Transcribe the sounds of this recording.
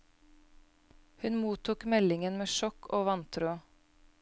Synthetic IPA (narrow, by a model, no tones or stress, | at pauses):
hʉnmuːt̪ʰuːkmɛlɪŋənmeːʃɔkʰoːʋɑnt̪ʰɾʉː